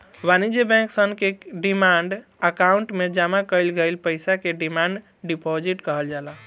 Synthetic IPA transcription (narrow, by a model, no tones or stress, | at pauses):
ʋanid͡ʒebɛ̃ŋksənkeɖimaɳɖ | əkauɳʈmed͡ʒamakəjlɡəjlpəjsakeɖimaɳɖ | ɖipod͡ʒiʈkəɦəld͡ʒala